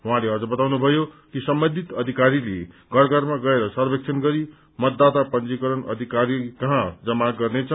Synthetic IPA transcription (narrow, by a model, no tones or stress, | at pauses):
ɦuɦãleʌd͡zʌbʌt̪awnubʱʌjo | kisʌmbʌnd̪ʱit̪ʌd̪ʱikaɾile | ɡʱʌrɡʌrmaɡʌeɾʌsʌrbek̚t͡sʰʌnɡʌɾi | mʌt̪ːat̪apʌnt͡sikʌɾʌnʌ̰d̪ʱikaɾikʌɦãd͡zʌmaɡʌrnet͡sʰʌ